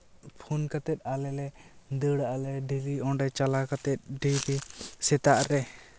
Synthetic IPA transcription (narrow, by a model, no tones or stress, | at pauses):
pʰunkat̪ɛt̪̚alɛlɛd̪əɽaʔalɛɖiɾiɔɳɖɛt͡ʃalakat̪ɛt̪̚ɖiɾisɛt̪aʔɾɛ